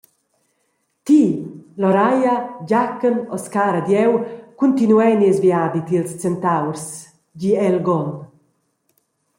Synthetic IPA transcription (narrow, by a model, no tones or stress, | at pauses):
t̪ilɔɾajaɟakːənɔskaːɾad̪jɛwkunt̪inuɛniɛzviad̪it̪ilst͡sɛnt̪awɾs | ɟiɛlɡɔn